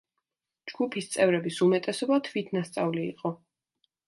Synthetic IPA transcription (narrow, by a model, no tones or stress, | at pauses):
d͡ʒɡupʰist̪sʼɛvɾɛbisumɛt̪ʼɛsɔbat̪ʰvit̪ʰnast̪sʼavlḭːqʼɔ